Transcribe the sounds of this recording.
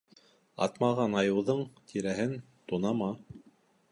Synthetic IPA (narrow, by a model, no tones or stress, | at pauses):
ɑ̰t̪mɑʁɑnɑjɤ̆wðɤɴt̪ʰiɾæɦɘn | t̪unɑmɑ